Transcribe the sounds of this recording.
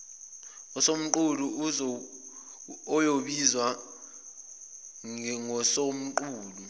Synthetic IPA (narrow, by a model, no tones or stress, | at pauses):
ɔsom̩ǃulu | ɔjoɓizwa | ŋɔsom̩ǃuːlu